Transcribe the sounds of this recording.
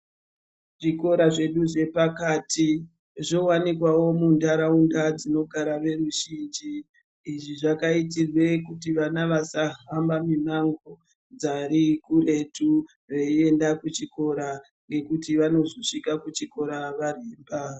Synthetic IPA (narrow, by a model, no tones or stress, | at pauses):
ʐiko̞ɾaʐe̞ɗuʐe̞pakaːtʰi | ʐo̞wanikwawo̞mundaɾaundad͡zino̞ɡʱaɾaʋe̞ɾuʒind͡ʒiː | ʐiʐakaitirwe̞kutiʋanaʋasaɦambaminaŋɡo | d͡zaɾikure̞tu | re̞ie̞ndakut͡ʃiko̞ɾa | ŋɡe̞kutiʋano̞zoʂikakut͡ʃiko̞ɾaʋareːmba